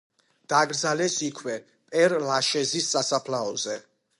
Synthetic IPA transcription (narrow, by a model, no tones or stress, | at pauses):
d̪̥aːɡɾd̪zalɛsikʰwɛ | pʼɛɾlaʃɛzissasapʰlaɔzɛ